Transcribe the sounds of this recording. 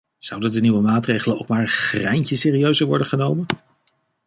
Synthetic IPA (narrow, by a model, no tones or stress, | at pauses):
z̥ɑwdədəniʋəmaːtrejχələno̰wkmaːɹχrɛjncəsɪːriøɥzəʋɔɹdəχənowmən